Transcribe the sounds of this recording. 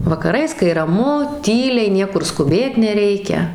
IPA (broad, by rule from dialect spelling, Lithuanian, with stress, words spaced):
ʋɐkɐˈrɐɪs kɐɪ rɐˈmʊ ˈtʲiːlʲɛɪ ˈnʲiɛkʊr skʊˈbʲeːt nʲɛˈrʲɛɪkʲɛ